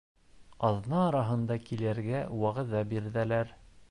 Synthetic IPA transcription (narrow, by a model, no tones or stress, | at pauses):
ɑðnɑːɾɑɦɤ̆nd̪ɑkilæɾɡæwɑʁɤ̆ðɑbiɾðælæɾ